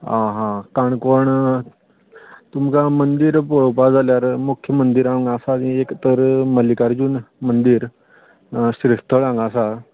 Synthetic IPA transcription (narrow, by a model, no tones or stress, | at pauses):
ãɦãkaɳkoɳ | t̪umkamənd̪iːɾpoɭwpad͡zaljaɾmukʰːjəmənd̪iɾãŋɡasaekt̪əɾməlikaɾd͡ʑuːnmənd̪iːɾ | sɾist̪ʰəɭãŋɡasa